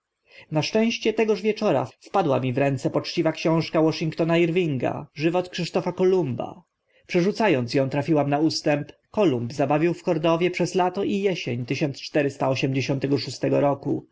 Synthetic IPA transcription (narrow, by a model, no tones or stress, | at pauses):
naʂt͡ʂɛ̃w̃ɕt͡ɕɛt̪ɛɡɔʐvʲjɛt͡ʂɔɾa̰fpad̪wamʲivɾɛnt̪sɛpɔt͡ʂt͡ɕivakɕɔ̃w̃ʂkawɔʂiŋkt̪ɔnaiɾvʲiŋɡa̰ʐɘvɔt̪kʂɘʂt̪ɔfakɔlumba̰ | pʂɛʐut̪sajɔnt̪sjɔ̃w̃t̪ɾafʲiwamnaust̪ɛmpkɔlumbzabavʲiwfkɔɾd̪ɔvʲjɛpʂɛzlat̪ɔʔijɛɕeɲt̪ɘɕɔnt̪st͡ʂt̪ɛɾɘst̪aɔɕɛmd͡ʑeɕɔ̃nt̪ɛɡɔʂust̪ɛɡɔɾɔku